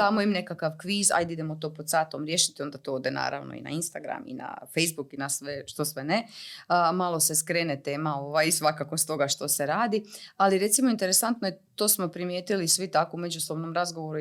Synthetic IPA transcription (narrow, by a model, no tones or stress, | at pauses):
d̪aːmoimne̞kakaʋkʋiːza̰jd̪id̪e̞mot̪o̞pod̪saːt̪omɾjeːʃi̥t̪io̞nd̪at̪ood̪ena̰ːɾa̰ʋno̰ḭna̰inst̪aɡɾa̰mḭna̰fejzbukinasʋeʃt̪osʋene | malˠo̞se̞skɾeːnet̪e̞ːmao̞ʋajisʋakako̞st̪o̞ɡaʃt̪o̞seɾaːd̪ialiɾe̞t̪simo̞int̪eɾe̞sant̪nojet̪o̞ːsmo̞pɾimjeːt̪ilisʋit̪akoume̞d͡ʒuso̞bno̞mɾazɡoʋoɾu